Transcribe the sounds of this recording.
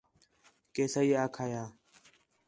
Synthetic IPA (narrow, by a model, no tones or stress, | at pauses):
keːsaːiːaːkʰaːjaː